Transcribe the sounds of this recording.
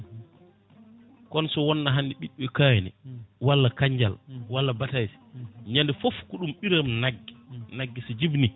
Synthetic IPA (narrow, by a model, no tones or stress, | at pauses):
kɔnsɔwɔnːaɦanːdiɓiɗuɛkajnɛ̰walːakaɲd͡ʒa̰lwalːabatajsi̥ɲandɛfofkuɗumɓiɾamnaɡːinaɡːisid͡ʒibni